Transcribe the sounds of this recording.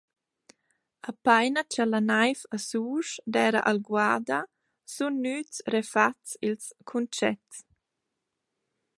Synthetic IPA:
apajnat͡ʃalanajfasuːʃdɛːɾa̰ʔalɡwaːd̪a | sunːyːtsɾefatsilskʰunt͡ʃɛ̰ts

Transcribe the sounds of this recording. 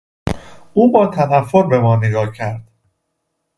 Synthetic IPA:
ʔuːbɒːt̪ʰænæfːoɾbe̞mɒːneɡɒːcʰæɾd̪̥

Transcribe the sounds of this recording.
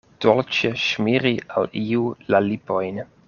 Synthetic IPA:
d̪̥ɔlt͡ʃəʃmiɾia̰liulalipojn

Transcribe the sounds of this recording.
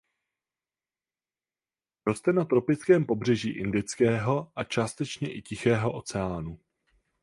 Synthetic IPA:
ɾo̞st̪ɛnat̪ɾo̞pɪt͡skɛːmpo̞br̝ɛʒḭːʔɪndɪt͡skɛːɦo̞ʔat͡ʃaːst̪ɛt͡ʃɲɛʔɪcɪxɛːɦo̞ʔo̞t͡sɛaːnu

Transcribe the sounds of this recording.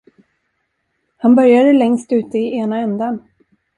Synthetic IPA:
hanbœɾjad̪əlɛŋst̪ʉ̟ːt̪əɪʔeːnaɛnd̪an

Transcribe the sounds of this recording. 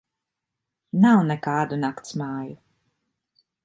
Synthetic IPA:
nawnɛkaːd̪unakt̪smaːju

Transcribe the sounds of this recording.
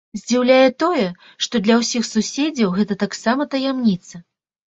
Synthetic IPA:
zʲd͡zʲiwlʲajɛt̪ɔjɛ | ʂt̪ɔd̪lʲɐwsʲixsusʲed͡zʲɐwɣɛt̪ɐt̪aksamɐt̪ɐjamnʲit̪sɐ

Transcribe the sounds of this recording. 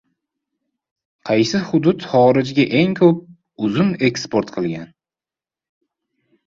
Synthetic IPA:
qʰɑjsɪhʊd̪ʊt̪χɒɾɪd͡ʒɡʲaʔe̞ŋkʰɵp̚ | ʊzʊne̞kspoɾt̪qʰɨlˠɡʲan

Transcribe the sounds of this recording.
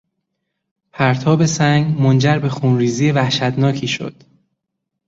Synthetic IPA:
pʰæɾt̪ʰɒːbe̞sæŋɡmond͡ʒæɾbe̞xuːnɾiːziːjevæhʃæt̪nɒːcʰiːʃo̰d̪̥

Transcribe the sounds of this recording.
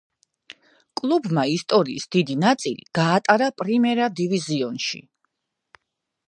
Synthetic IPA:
kʼlˠubmaist̪ʼɔɾiːsd̪id̪inat̪sʼilḭɡ̥aːt̪ʼaɾapʼɾimɛɾad̪iviziɔnʃḭ

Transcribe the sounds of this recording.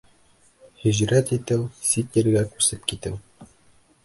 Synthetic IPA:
hɵ̆ʑɾæt̪it̪ɘwsit̪jɘ̆ɾɡækʉsɘp̚kit̪ɘw

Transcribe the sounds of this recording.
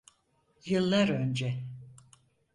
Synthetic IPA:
jɯlˠːaɾø̞nd͡ʒɛ

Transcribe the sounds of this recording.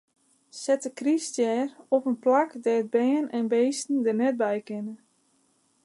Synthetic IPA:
sɛtəkristjɛːrɔpənplakdɛəd̚bɛːənɛnbejstn̩dərnɛt̚bɛjkɪnə

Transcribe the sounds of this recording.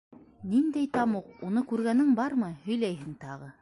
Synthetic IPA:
nind̪æjt̪ɑmuqunɤkʉɾɡænɘŋbɑɾmɤhɵ̆jlæjɦɘŋt̪ɑʁɤ

